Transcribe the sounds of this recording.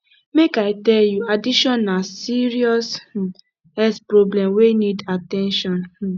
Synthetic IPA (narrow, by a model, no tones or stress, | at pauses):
mekaɪtɛljuadiʃɔ̃nːasiɹiɔs | ɛspɹɔblɛ̃mwenidatɛ̃nʃɔ̃n